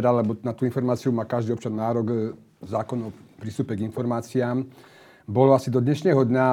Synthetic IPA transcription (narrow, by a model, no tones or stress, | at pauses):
ɛd̪alɛbɔnat̪uːinfɔɾmaːt͡siumaːkaʒd̪iɔpt͡ʃannaːɾɔɡ | zaːkɔnɔpɾist̪uːpɛɡinfɔɾmaːt͡siaːm | bɔlɔasid̪ɔd̪ɲɛʃnɛːɦɔd̪ɲa